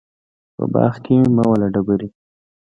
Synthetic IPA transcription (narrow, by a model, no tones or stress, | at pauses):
pə̰bɑ̰ːxkimawalaɖabaɾi